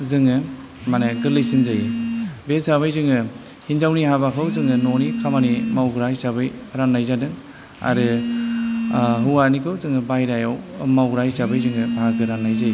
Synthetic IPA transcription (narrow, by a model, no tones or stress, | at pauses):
zɯŋɯ | manaɡɯɾlajsinzajbesaβajzɯŋɯ | hinzawnihabakʰɯwzɯŋɯnonikʰamanimawɡɾajsabɯjɾanːajzadɯŋ | a̰ɾɯ | ɦɯwanikʰɯwzɯŋɯbajɾajawmawɡɾajsabɯjzɯŋɯbʱaɡɯɾannajzaj